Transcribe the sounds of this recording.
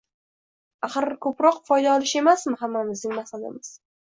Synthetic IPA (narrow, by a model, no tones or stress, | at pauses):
aχɨɾkʰɵpɾɒqfɒjd̪aɒlɪʃe̞masmɪɦamːamɪzd̪ɪŋmasad̪a̰mɪz̥